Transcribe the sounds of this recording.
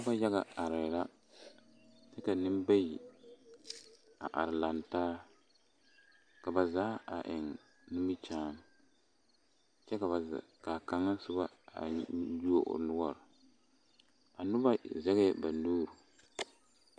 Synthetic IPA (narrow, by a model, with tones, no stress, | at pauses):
nʊ˦ba˦ja˦ɣa˨a˨ɾɪ˨la˦ | t͡ʃɛ˦ka˨nɪ˦m˦ba˦ji˨ | a˨ʔa̰˨ɾɪ˨la˨ntaː˦ | ka˨ba˨zaː˦a̰˨ʔɪ˨ŋ | nu˦mɪ˦t͡ʃaː˦m | t͡ʃɛ˦ka˨ba˨ka˨ka˨ŋːa˦sʊ˦ba˦a̰˨ju˦o˨ʔʊ̰˨nʊ˦ɡɔ˦ɾ | a˨nʊ˦ba˦zɛ˦ɣɪ˦ɛ˦ba˨nuː˦ɾu˨